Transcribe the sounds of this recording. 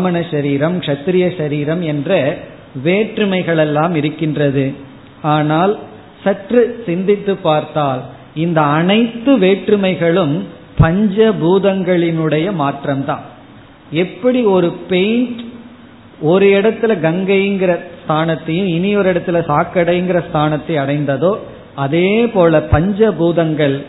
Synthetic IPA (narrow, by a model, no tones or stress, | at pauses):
mɐɳɐʃɐɾiːɾɐmkʂɐt̪ːɪɾɪjɐʃɐɾiːɾɐmɛndrɐ | ʋeːʈrɯmɐɪɣɐɭɛlːaːmɪɾɯkːɪndrɐðɯ | aːnaːl | sɐʈrɯsɪnd̪ɪt̪ːɯpːaːɾt̪aːl | ɪnd̪ɐːnɐɪt̪ːɯʋeːʈrɯmɐɪɣɐɭɯm | pɐɲd͡ʒɐbuːðɐŋɡɐɭɪnɯɽɐjɐmaːʈrɐmt̪ã̰ːn | ɛpːɐɽiɔɾɯpɛjnʈ | ɔɾɯɛɽɐt̪ːɪlɐɡɐŋɡɐjɪŋɡɪɾɐst̪ʰaːnɐt̪ːɐjɯ̃mɪnɪɔɾɪɽɐt̪ːɪlɐsaːkːɐɽɐjɪŋɡɪrɐst̪ʰaːnɐt̪ːɐɪɐɽɐɪnd̪ɐðoː | ɐðeːpoːlɐpɐɲd͡ʒɐbuːðɐŋɡɐɭ